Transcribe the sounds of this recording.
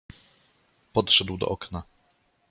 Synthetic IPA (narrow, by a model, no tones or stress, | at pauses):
pɔt̪ʂɛd̪wd̪ɔ̰ʔɔkna